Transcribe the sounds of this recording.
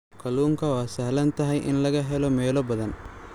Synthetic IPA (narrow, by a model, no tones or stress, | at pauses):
kʰɐluːŋkʰɐwaːsɐɦlɐnt̪ʰɐɦɛjʔɪ̰nlɐɣɐɦɛlɔmɛːlɔbɐðɐn